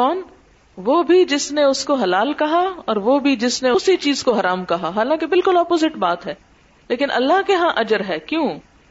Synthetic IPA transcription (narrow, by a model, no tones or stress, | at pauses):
kɔːn | ʋoːbʱid͡ʒɪsneʊskoɦɐlaːlkɐɦaɔːɾʋoːbʱid͡ʒɪsneʊsit͡ʃiːzkoɦɐɾaːmkɐɦaɦaːlãːkebɪlkʊlɔːpoːzɪʈbaːt̪ɦɛː | leːkɪnʔɐ̰lːaɦkeɦãʔɐd͡ʒəɾɦɛːkjũː